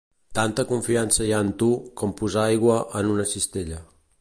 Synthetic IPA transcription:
t̪ant̪əkuɱfiansəjaənt̪ukɔmpuzaajɣwəʔənunəsist̪eʎə

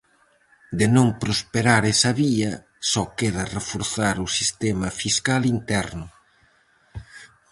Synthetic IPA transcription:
d̪ɪnõmpɾospeɾaɾɛsɐβiɐ | sɔkeðɐrefoɾθaɾʊsist̪emɐfiskalint̪ɛɾnʊ

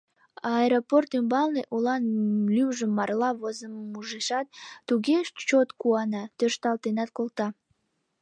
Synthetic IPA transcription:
ɑeɾoport̪ymbɑlˠneʔulɑnlywʒəmːɑrlɑβozəmmːuʒiʃɑt̪̚ːuɣeʃt͡ʃot̪kuɑnɑt̪øʃt̪ɑlt̪enɑt̪̚kolt̪ɑ

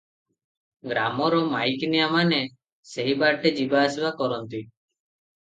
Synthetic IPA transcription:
ɡɾamɔɾɔmajkinijamane | seɦibaɾʈed͡ʒibaːsibakɔɾɔnt̪i

